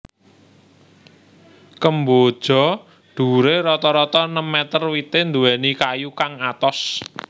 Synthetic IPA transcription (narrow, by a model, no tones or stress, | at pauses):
kəmbod̥ʒ̥ɔ̤ | ɖ̪̥ṳɾeɾɔt̪ɔɾɔt̪ɔnəmːɛt̪ərwit̪ɪnd̪uwɛnikajukaŋat̪ɔs